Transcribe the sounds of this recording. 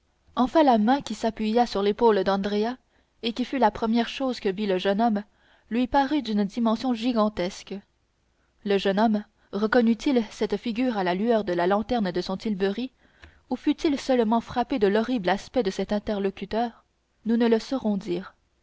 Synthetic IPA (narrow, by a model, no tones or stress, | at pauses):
ɑ̃fɛ̃lamɛ̃kʲisapɥijasyʁlepold̪ɑ̃d̪ʁea | ekʲifylapχəmjɛʁʃoːzkəviləʒənɔm | lɥipaʁyd̪ynd̪imɑ̃sjɔ̃ʒiɡɑ̃t̪ɛsk | ləʒənɔm | ʁəkɔnyt̪ʰilsɛt̪fiɡʲyːʁalalyœːʁd̪əlalɑ̃t̪ɛʁnd̪əsɔ̃t̪ilbəʁi | ufyt̪ilsœlmɑ̃fχaped̪əlɔʁiblaspɛd̪əsɛt̪ɛ̃t̪ɛʁlɔkʲyt̪œːʁ | nunələsɔʁɔ̃d̪iːʁ